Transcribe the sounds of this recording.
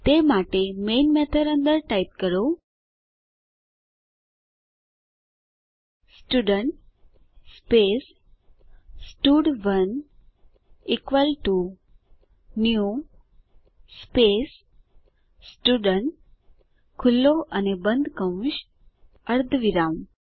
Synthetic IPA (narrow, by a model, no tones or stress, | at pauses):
t̪emaʈemenmɛt̪ʰəɾənd̪əɾʈait̪̚kəɾo | sʈuɖəɳʈ | spes | sʈuɖʋən | ikʋəlʈu | nju | spes | sʈuɖəɳʈ | kʰulːoʔənebənd̪ʱkəʋʃ | əɾd̪ʱʋiɾam